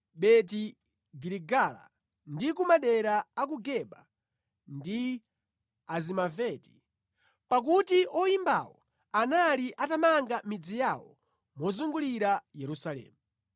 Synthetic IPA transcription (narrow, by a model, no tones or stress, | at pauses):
ɓɛt̬i | ɡiɾiɡala̰ | ndikumaɗɛɾaːk̬uɡɛɓa | ndi | azimavɛti̥ | pak̬utiʔɔjimba̰wɔ̰ | analiʔatamaŋɡamid͡zijawɔ̰ | mwɔzuŋɡuliɾajɛɾusalɛ̰ːmu